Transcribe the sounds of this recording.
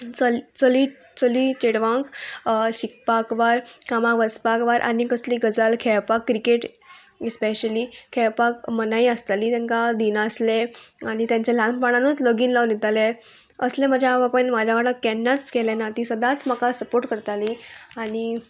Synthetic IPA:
t͡səlt͡səli | t͡səlit͡ɕeɽʋãŋkɕik̚pakʋaɾkamaʋəspakʋaɾʔa̰nikəsliːɡəd͡zalkʰɛɭpakːɾikeʈ | ispeɕəlikʰɛɭpakmənaiəst̪alit̪ãŋkad̪inəsleañit̪jãɲt͡ɕalãmpaɽãnot͡sləɡiːnlaʋnit̪ale | əslẽməd͡ʑʱjaʋapəɳmad͡ʑʱjaʋaɽãkɛnːat͡skɛlɛ̃nat̪isəd̪ʱat͡smakasəpoɾʈkəɾt̪aliaɽi

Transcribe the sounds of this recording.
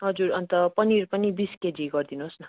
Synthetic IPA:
ɦʌd͡zuɾʌnt̪ʌpʌniɾpʌnibisked͡ziɡʌrd̪inuɦosnʌ

